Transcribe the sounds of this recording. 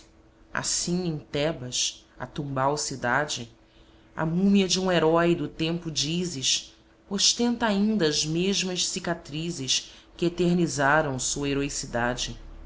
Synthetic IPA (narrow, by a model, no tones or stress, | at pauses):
a̰sĩŋẽj̃t̪ɛbɐʃɐ̰t̪ũmbawsid̪ad͡ʒɪ | ɐ̰mũmiɐd͡ʒɪũeɾɔjd̪ʊt̪ẽmpʊd͡ʒizɪʃ | oʃt̪ẽnt̪ɐaĩnd̪ɐːzmeʒmɐʃsikat̪ɾizɪʃ | kɪet̪eɾnizaɾɐ̃w̃suɐeɾoisid̪ad͡ʒɪ